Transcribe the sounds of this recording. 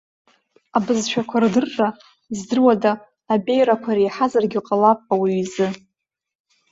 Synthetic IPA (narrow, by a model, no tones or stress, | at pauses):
abɨzʃʷᶣʰakʷʰardɨrːa | izdɨrwadaː | bʼe̞jɾakʷʰaɾijħazarɡʲɪqʼalapʼawiɥzɨ